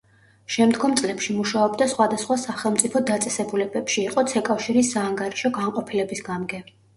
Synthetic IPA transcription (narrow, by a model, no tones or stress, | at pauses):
ʃɛmd̪ɡɔmt̪sʼlɛpʃimuʃaɔbd̪asχwad̪asχwasaχɛlˠmt̪sʼipʰɔd̪at̪sʼɛsɛbulɛbɛpʃiːqʼɔt̪sʰɛkʼafʃiɾisːaːŋɡaɾiʃɔɡaɴqʼɔpʰilɛbisɡamɡɛ